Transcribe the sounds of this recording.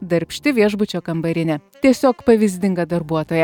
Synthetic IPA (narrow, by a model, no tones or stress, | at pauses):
d̪ɐɾʲpʲʃʲt̪ʲɪʋʲiɛʒbʊt͡ʃʲoːkɐmbɐɾʲɪnʲɛt̪ʲiɛsʲoːkpɐʋʲɪzʲd̪ʲɪŋɡɐd̪ɐɾbuɔt̪oːjɛ